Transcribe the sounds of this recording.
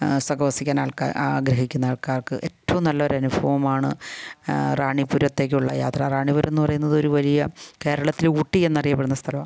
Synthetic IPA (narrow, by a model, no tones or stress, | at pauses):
sɐɡɐʋɐsikʲːaːnaːɭka̰aɡɾɐɦikʲːunːɐaːɭkaːrkɨʔe̞tːɐʋumnɐlːɐo̞ɾɐnubʱɐʋɐmaːɳɨ̰ | raːɳipuɾɐt̪ːe̞ːk̬ʲːuɭːɐ̰ja̰ːt̪rɐraːɳipuɾʔenːupɐrɐjunːɐðo̞ɾuʋɐlijɐke̞ːɾɐɭɐt̪ːiluːʈːie̞nːɐrijɐpeɽunːɐst̪ʰɐlɐm